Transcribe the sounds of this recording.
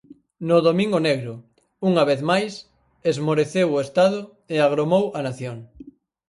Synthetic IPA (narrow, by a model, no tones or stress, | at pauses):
nʊðomĩŋɡoneɣɾʊ | uŋɐβ̞eθmajs | ezmoɾeθewʊest̪aðʊ | eaɣɾomowɐnaθjoŋ